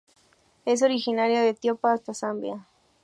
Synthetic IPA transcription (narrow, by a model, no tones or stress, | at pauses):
es̬o̞ɾixinaɾjoðet̪jopaːst̪asambja